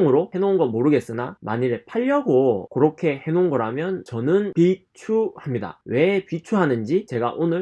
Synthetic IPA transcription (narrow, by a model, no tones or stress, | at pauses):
ŋɯɾohe̞nonɡʌmoɾɯɡe̞s͈ɯnama̰ɲiɾɭpʰaʎːʌɡokɯɾʌkʰe̞he̞nonɡʌɾamjʌnt͡ɕʌnɯnpit͡ɕʰuhamɲida̰we̞pit͡ɕʰuɦanɯnd͡ʑit͡ɕe̞ɡa̰ʔonɯɭ